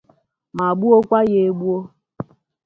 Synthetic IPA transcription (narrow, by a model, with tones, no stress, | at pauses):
ma˨ɡ͡bu˦o˦kʷa˦je˨e˦ɡ͡bu˦o˦